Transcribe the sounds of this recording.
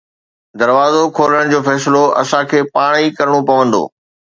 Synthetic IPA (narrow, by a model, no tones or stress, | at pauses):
d̪ɐɾʋaːzokʰoːləɽ̃d͡ʑoːfɛːsɪloʔɐ̰sãkʰeːpaːɽ̃ikɐɾəɽ̃opɐʋə̃nd̪o̰ː